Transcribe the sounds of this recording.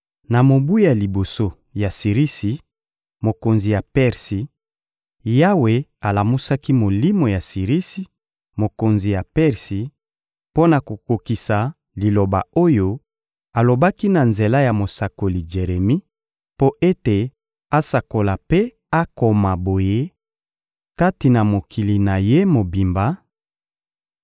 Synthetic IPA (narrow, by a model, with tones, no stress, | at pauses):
na˨mo˨bu˦a˨li˨bo˨so˦ | ja˨si˨ʁi˦si˨ | mo˨ko˨nzi˨ja˨pɛ˦ʁsi˨ | ja˦we˨a˨la˨mu˦sa˦ki˦mo˨li˦mo˨ja˨si˨ʁi˦si˨˦ | mo˨ko˨nzi˨ja˨pɛ˦ʁsi˨˦ | po˦na˨ko˨ko˨ki˨sa˨ | li˨lo˨ba̰˨o˦jo˦ | a˨lo˨ba˦ki˦na˨nze˨la˦ja˨mo˨sa˨ko˨li˨ʒe˨ʁe˨mi˦ | po˦ʔe˦te˨ | a˦sa˨ko˨la˨pe˦ | a˦ko˨ma˨bo˨je˦ | ka˦ti˨na˨mo˨kʰi˨li˨na˨je˦mo˨bi˨mba˦